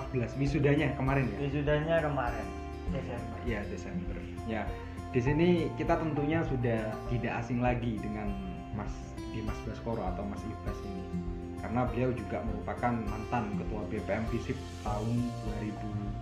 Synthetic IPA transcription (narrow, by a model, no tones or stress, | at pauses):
bəlaswisudahɲakəmaɾɛnjawisudahɲakəmaɾɛn | desɛmbəijadesɛmbər | ja | d̥is̬inikit̪at̪ənt̪uɲasudaht̪idaʔasɪŋlaɡidəŋan | mas | dimasbəlaskoɾɔat̪awmasibasini | kaɾənabəliawd͡ʒuɡaməɾupakanmant̪ankət̪uabepeɛmfisɪp̚t̪aʊnduaɾibu